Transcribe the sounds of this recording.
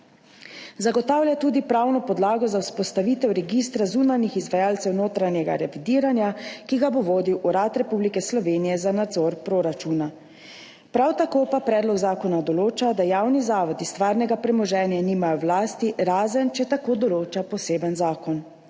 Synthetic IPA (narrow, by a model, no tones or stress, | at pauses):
zaɡɔt̪aːwljat̪uːd̪ipɾawnɔpɔd̪laːɡɔzawspɔst̪aʋiːt̪ɛwɾɛɡist̪ɾazuːnanixizʋajaːlt̪sɛwnoːt̪ɾanjɛɡa̰ɾɛʋid̪iːɾanjakiɡaboʋoːd̪iwʔuɾat̪ɾɛpublikɛslɔʋeːnijɛzanad̪zɔɾpɾoɾat͡ʃuna | pɾawt̪akoːpapɾɛːd̪lɔɡzaːkɔnad̪ɔloːt͡ʃad̪ajaːwnizaːʋɔd̪ist̪ʋaːɾnɛɡapɾɛmɔʒɛːnjaniːmajɔwlaːst̪iɾaːzənt͡ʃɛt̪akoːd̪ɔloːt͡ʃapɔseːbənzaːkɔn